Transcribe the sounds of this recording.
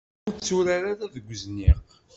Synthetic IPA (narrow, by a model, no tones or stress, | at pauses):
ʊɾt͡sːuɾaɾaɾaðəɡʷəzniq